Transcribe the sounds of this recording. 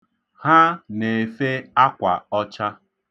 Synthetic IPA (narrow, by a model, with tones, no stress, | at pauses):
ha˦ne˨fe˦a˦kʷa̰˨ɔ˦t͡ʃa˦